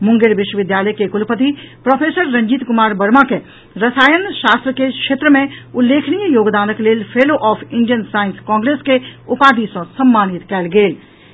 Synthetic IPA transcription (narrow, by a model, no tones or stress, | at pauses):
mʊ̃ŋɡeɾʋɪʃwəʋɪd̪jaːləjkekʊlpət̪ipɾoːpʰeːsəɾːɐ̃ɲd͡ʒiːt̪kʊmaːɾbɐɾmake | ɾɐsaːjənʃaːst̪ɾəkekʃeːt̪ɾəmẽʊlːeːkʰnijjoːɡd̪aːnəkleːlpʰeːloʔɔːpʰɪɳɖijənsaːɪnskɔ̃ːŋɡɾeːskeʊpaːd̪isɐ̃sɐmːaːnit̪kɛːlɡeːl